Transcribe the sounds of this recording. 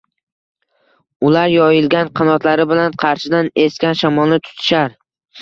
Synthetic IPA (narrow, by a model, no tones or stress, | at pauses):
ʊlaɾjɒjɪlɡʲanqʰɑnɒt̪laɾɪbɪlanqʰɑɾʃɪd̪ane̞skʲanʃamɒlˠnɪt̪ʰʊ̥t̪ʰɪ̥ʃaɾ